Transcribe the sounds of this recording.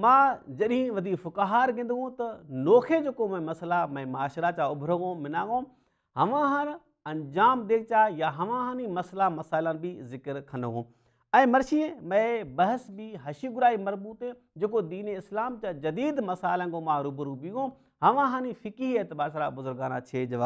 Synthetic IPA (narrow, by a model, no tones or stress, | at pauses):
mãːd͡ʑɐɗɦĩʋɐd̪ʱiːkfʊkɦaːɾɡẽːnd̪iɦũt̪ɐnoːkʰed͡ʑeːkomɛ̃mɐslamɛ̃maːʃɾat͡ɕaʊbʱɾəɡõmɪnãːŋɡõː | ɦɐʋãɦãːn | ɐ̃nd͡ʑaːmd̪eːk̚ʰt͡ɕajaɦɐʋãɦãːnimɐslamɐsaːɪlanbʱizɪkəɾkʰɐ̃nd̪əɦũː | ɛ̃ːmɐɾʃiẽmɛ̃bɐɦəsbiɦɐʃiɡʊɾaːimɐzbuːt̪ẽ | d͡ʑeːkod̪iːneɪslaːmt͡ɕad͡ʑɐd̪iːd̪mɐsaːɪlə̃nkoːmaːɾuːbəɾubĩõ | ɦɐʋãɦãːnĩfɪkiɦieːt̪ɪbaːsɾabʊzʊɾɡaːna̰t͡ɕʰeːd͡ʑɐʋaː